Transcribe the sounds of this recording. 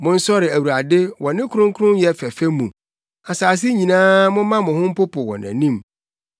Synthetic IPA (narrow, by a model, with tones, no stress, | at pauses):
mʊ̃˨n̩˦sɔ˦ɾɪ˨æ˨wu˨ɾa˨dɪ˦wɔ̃˨nɪ̃˦kʰʊ˦ʊ̃˦ŋ˦kʰʊ˦ʊ̃˦jɛ˦fɛ˨fæ˦mũ˨ | a˨saː˨s̬ɪ˦ɲĩ˨nãː˦mʊ̃˦mã˦mʊ̃˨hʊ̃˦m̩˦pʊ˦pʊ˨wɔ̰̃˨næ̰̃˨nĩ˦m